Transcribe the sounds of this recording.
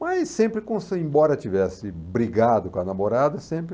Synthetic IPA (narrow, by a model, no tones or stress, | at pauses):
majsːẽmpɾɪkõsɪẽbɔɾɐt͡ʃivɛsɪbɾiɡad̪ʊkõɐnamoɾad̪ɐsẽpɾɪ